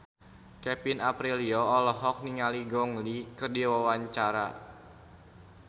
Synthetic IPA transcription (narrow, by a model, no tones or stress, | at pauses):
kɛpinapɾiliɔːlɔɦɔk̚niŋaliɡɔŋlikɨrdiwawaɲt͡ʃaɾa